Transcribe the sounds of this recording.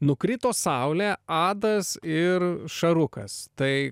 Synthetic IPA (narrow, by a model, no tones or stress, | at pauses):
nʊkɾʲɪt̪oːsɑʊlʲæːɑːd̪ɐsɪɾʃɐɾʊkɐ̰st̪ɐɪ